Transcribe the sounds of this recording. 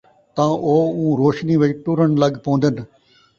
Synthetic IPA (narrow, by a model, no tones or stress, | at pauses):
t̪ãːʔoːũːɾoːʃniʋɪt͡ʃʈuɾəɳləɡpõːnd̪ən̆